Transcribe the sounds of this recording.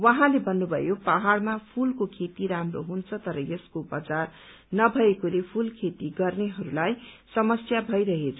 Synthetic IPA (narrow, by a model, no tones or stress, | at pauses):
wʌɦãlebʌnːubʱʌ̰jopaɦaɽmapʰulkokʰet̪iɾamro̰ɦunt͡sʰʌt̪ʌɾʌjeskobʌd͡zar | nʌbʱʌekolepʰulkʰet̪iɡʌrneɦʌɾulajsʌmʌsjabʱʌjɾʌɦet͡sʰʌ